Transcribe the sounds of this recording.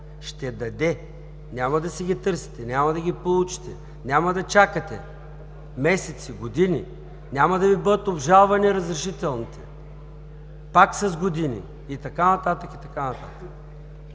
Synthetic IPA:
ʃt̪ɛd̪ɐd̪ɛ | nʲamɐd̪ɐsiɡʲit̪ɤɾsi̥t̪ɛnʲamɐd̪ɐɡʲipolˠut͡ʃi̥t̪ɛ | nʲamɐd̪ɐt͡ʃakət̪ɛ̰ | mɛsɛt̪siɡod̪inʲi | nʲamɐd̪ɐvibɤd̪ət̪obʒalˠvɐniɾɐzɾɛʃit̪ɛlˠnit̪ɛ | paksɐzɡod̪inḭ | it̪ɐkanɐt̪at̪əkit̪ɐkanɐt̪a̰t̪ə̥k

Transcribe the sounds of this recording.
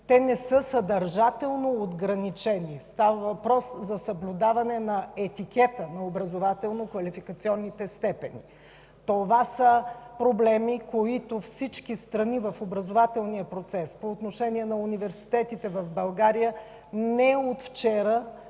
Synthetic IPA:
t̪ɛnɛsɤsɐd̪ɐɾʒat̪ɛlˠnood̪ɡɾɐnit͡ʃɛnist̪avəvɐpɾɔszɐsəblʲud̪avɐnɛnɐɛt̪ikʲɛt̪ənɐobɾɐzovat̪ɛlˠnokvɐlifikət̪siɔnːit̪ɛst̪ɛpɛnḭ | t̪ovasəpɾoblɛmikoit̪ofsit͡ʃkist̪ɾɐnivɐfobɾɐzovat̪ɛlˠniəpɾot̪sɛspoːt̪noʃɛniɛnɐunivɛɾsi̥t̪ɛt̪it̪ɛvɐvbɐlˠɡaɾijə | nɛot̪ft͡ʃɛɾə

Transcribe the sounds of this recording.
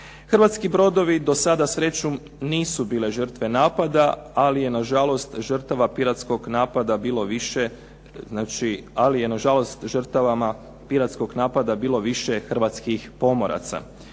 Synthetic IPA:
xrʋat̪skibɾo̞d̪o̞ʋid̪o̞sad̪asɾe̞t͡ɕu | niːsubiːle̞ʒər̩t̪ʋe̞naːpad̪aalije̞naʒalo̞st̪ʒər̩t̪aʋapiɾat̪sko̞ɡnaːpad̪abiːlˠo̞ʋiʃe | znaːt͡ʃialije̞naʒalo̞st̪ʒər̩t̪aʋama | piɾat̪sko̞ɡnaːpad̪abiːlˠo̞ʋiʃe̞xr̩ʋat̪skixpo̞mo̞ɾʔa̰t̪sa̰

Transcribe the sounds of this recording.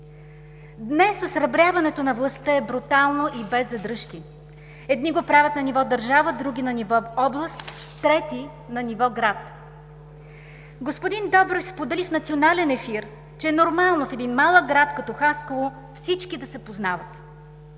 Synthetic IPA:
d̪nɛsːɐsɾɐbɾʲjavɐnɛt̪onɐvlˠɐst̪əɛbɾut̪alˠnoʔibɛzːɐd̪ɾɤʃki | ɛd̪niɡopɾavʲjət̪nɐnivɔd̪əɾʒavəd̪ɾuɡʲinɐnivɔɔblˠəst̪ː | ɾɛt̪i | nɐnivɔɡɾat̪ | ɡospod̪ind̪ɔbɾofspod̪ɛlifnɐt̪sionalɛnɛfiɾ | t͡ʃɛɛnoɾmalˠnofɛd̪inmalˠəɡ̚ɡɾat̪kɐt̪ɔxaskovo | fsit͡ʃkid̪ɐsɛpoznavət̪

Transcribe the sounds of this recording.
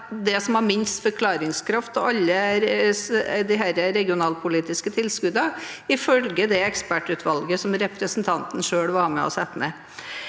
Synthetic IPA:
d̪ɛsɔmhɑɾmɪnst̪fɔɾkʰlɑːɾɪŋskʰɾɑft̪ɔɑlːə | d̪ɪɦæɾəɾɛɡɪʊnɑːlpʰʊliːt̪ɪskət̪ʰɪlskʉd̪ɑɪfœlɡəd̪ɛɛkspæʈʉːt̪ʋɑlɡəsɔmɾɛpɾəsnt̪ʰɑnt̪ən̩ʂøːɽʋɑɾmɛ̰ɔ̰sɛt̪ːnɛ

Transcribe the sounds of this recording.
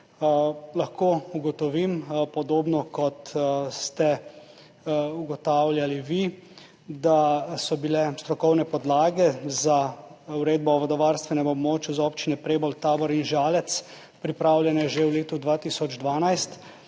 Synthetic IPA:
lɐxkoːuɡɔt̪ɔʋimpɔd̪oːbnɔkɔt̪st̪ɛ | uɡɔt̪awlʲjaliʋi | d̪asɔbilɛst̪ɾɔkɔwnɛpɔd̪laːɡɛzauɾeːd̪̚bɔːʋɔd̪ɔʋaːɾst̪ʋɛnɛmɔbmoːt͡ʃjuzɔpt͡ʃinɛpɾeːbɔlt̪aːbɔɾinʒaːlɛt̪s | pɾipɾaːwljɛnɛʒewleːt̪ud̪ʋat̪isɔd͡ʒd̪ʋaːnajst̪

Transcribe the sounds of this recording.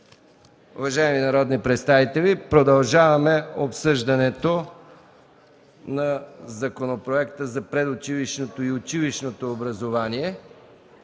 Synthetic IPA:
ʊ̰vɐʒaiminɐɾɔd̪nipɾɛt̪st̪avit̪ɛlipɾod̪ɐlˠʒavɐmɛopsɤʒd̪ɐnɛt̪o | nɐzɐkonopɾoɛkt̪əzɐpɾɛd̪ot͡ʃiliʃnot̪oiot͡ʃiliʃnot̪oːbɾɐzovaniɛ

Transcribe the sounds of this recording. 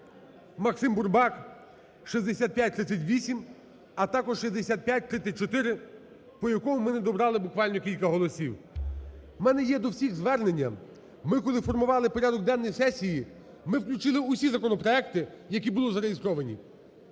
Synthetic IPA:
mɐksɪmbʊrbɑk | ʃizʲd̪esʲat̪̚pʲjat̚ʲt̪ɾɪt̪sʲɐtʲʋʲisʲim | ɐt̪ɑkɔʒʃizʲd̪esʲat̪̚pʲjat̚ʲt̪ɾɪt̪sʲɐt̚ʲt͡ʃɔt̪ɪɾɪ | pɔjɐkɔɦʊmɪnɛd̪ɔbɾɑlˠɪbʊkʋɑlʲnɔkʲilʲkɐɦɔlˠɔsʲiw | mɛnɛjɛd̪ɔwsʲiɣzʋɛrne̞nʲːɐ | mɪkɔlˠɪfɔrmʊʋɑlˠɪpɔɾʲad̪ɔɡ̚d̪ɛnːɔjsɛsʲiji | mɪwklʲut͡ʃɪlˠɪʊsʲizɐkɔnɔpɾɔɛkt̪ɪ | jɐkʲibʊlˠɪzɐɾejist̪ɾɔʋɐnʲḭ

